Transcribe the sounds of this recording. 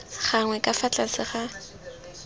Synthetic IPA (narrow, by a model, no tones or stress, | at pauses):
χaŋwɛkʼafat͡ɬʼasɪχa